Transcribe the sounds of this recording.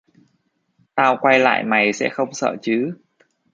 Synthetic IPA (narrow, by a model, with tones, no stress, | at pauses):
t̪aː˧wkwa˧jla̰ː˧˨jma˨˩jsɛ̰˧˥xə˧wŋ͡msə̰ː˧˩˨t͡ɕɨ˨˦